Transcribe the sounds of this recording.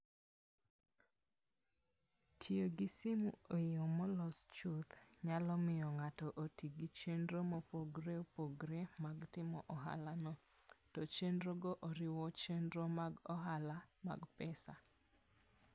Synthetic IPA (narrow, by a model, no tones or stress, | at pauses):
tʰjoɡisimuojɔmɔlɔst͡ʃot̪ɲalɔmɪjɔŋatɔʔotiɡit͡ʃendɾomopoɡɾeopoɡɾemaɡtɪmɔʔɔɦa̰lanɔ | tɔt͡ʃendɾoɡoʔoɾɪwɔt͡ʃendɾomaɡɔɦalama̰ɡpɛsa